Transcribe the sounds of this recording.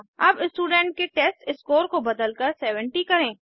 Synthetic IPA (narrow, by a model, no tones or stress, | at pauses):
ɐbɪsʈuːɖɛ̃ːɳʈ̚keʈeːsʈɪskoːɾkobɐd̪əlkəɾsɛːʋə̃ɳʈikɐɾẽː